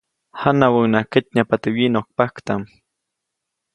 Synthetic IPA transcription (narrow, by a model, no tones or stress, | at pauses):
hanawaŋnakət̪̚ɲapat̪ɪwinok̚pakt̪am